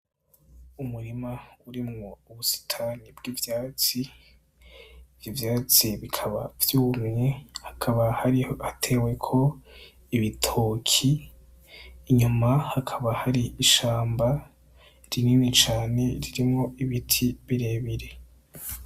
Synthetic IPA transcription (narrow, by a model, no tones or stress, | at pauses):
umuɾimauɾimŋo̞uβusi̥tʰanibɡiːvjaːt͡si | vjivjaːt͡siβikʰaβa̰vjuːmŋehḁkʰaβahaɾihatʰe̞ːwe̞kʰo̞ | iβitʰokʰi | ɲumahakʰaβahaɾiiʃaːmba | ɾininit͡ʃaːne̞ɾiɾimŋo̞iβitʰiβiɾe̞ːβiɾe̞